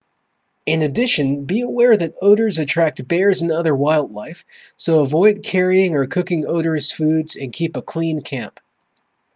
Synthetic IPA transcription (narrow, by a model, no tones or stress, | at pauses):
ɨ̃nɨdɪʃɨ̃nbiəwɛɹðɨɾoʊɾə˞zɨtʰɹ̥æk̚t̚b̥ɛɹzɨ̃nʌðə˞waɪlˠdˡlaɪfsoʊəvɔɪd̚kʰɛɹiɪ̃ŋə˞kʰʊkɪ̃ŋoʊɾə˞z̥fʉdzɨ̃nkʰipəkʰl̥ĩnkʰæ̃mp